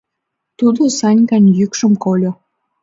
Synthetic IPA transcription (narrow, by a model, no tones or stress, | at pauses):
t̪ud̪osɑnʲkɑnjykʃəmkolʲo